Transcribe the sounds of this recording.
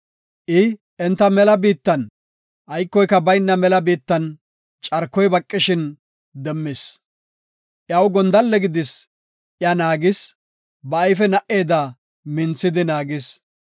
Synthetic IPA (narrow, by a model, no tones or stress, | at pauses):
ʔɪ | ɛnt̪ːɐmɛlɐbiːt̪ːɐn | ʔɐjkːɔjkːɐbɐjnːɐmɛlɐbiːt̪ːɐn | t͡ʃʼɐɾkːɔjbɐkʼːɪʃɪn | d̪ɛmːɪs | ʔjɐwɡɔnd̪ɐlːɛɡɪd̪ɪs | ʔjɐnaːɡɪs | bɐɐjfɛnɐʔe̞ːd̪a | mɪnt͡sːɪd̪ɪnaːɡɪs